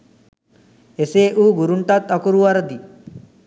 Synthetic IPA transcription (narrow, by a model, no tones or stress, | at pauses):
eseːʔuːɡuɾuɳʈat̪ɐkuɾuʋɐɾɐd̪i